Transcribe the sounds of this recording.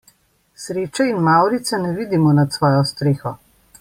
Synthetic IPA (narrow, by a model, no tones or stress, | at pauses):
sɾeːt͡ʃɛinmawɾit̪sɛnɛʋiːd̪imɔnat̪sʋɔːjɔst̪ɾeːxɔ